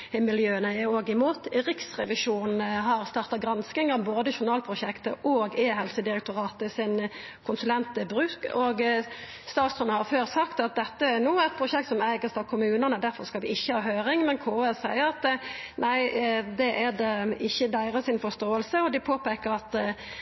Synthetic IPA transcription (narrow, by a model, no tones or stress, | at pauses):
mɪljøːənəæoːɡɪmuːt̪ʁɪksʁɛʋɪʂuːnn̩ɦɑɾst̪ɑːʁt̪ɑɡɾɑnskɪŋɑʋboːd̪əʃʊnɑːlpʰʁʊʃɛkt̪əʔɔːɡeːɦɛlsəd̪ɪɾɛk̚t̪ʊɾɑːt̪ɪsɪn | kʰʊnsʉlɛnt̪əbɾʉːkɔɡ | st̪ɑːt̪sɔnɑhɑɾføːʁsɑkt̪ɑt̪̚d̪ɛt̪ːəæɾnuːæt̪̚pʰɾʊʃɛkt̪sɔmæːɡəst̪ɑʋkʰʊmʉːnənəd̪æɾfɔɾskɑlʋɪɪçːəhɑːhøːɾɪŋmɛnkʰoːɛsæɪəɾɑt̪nʔæɪd̪ɛʔædɛɪçːəd̪æɪʁəsɪnfɔst̪oːəlsəɔd̪ɪpʰoːpɛːkəɾɑt̪